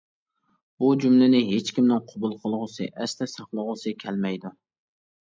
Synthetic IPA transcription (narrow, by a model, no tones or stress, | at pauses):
b̥ud͡ʒumlɪnɪɦet͡ʃkʲimd̪ɪnqʰʊbulˠqʰəlˠʁʊsɨ̰ʔɛst̪ɛsɑχlˠəʁʊsɨkʲʰɛlmɛjd̪u